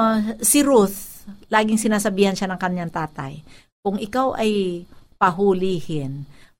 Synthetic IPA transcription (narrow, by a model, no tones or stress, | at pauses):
sɪɾuθlaːɡɪŋsɪnaːsɐbiːhanʃanɐŋkɐnjaŋt̪aːt̪a̰j | kʊŋʔɪkawʔɐjpɐɦulihɪn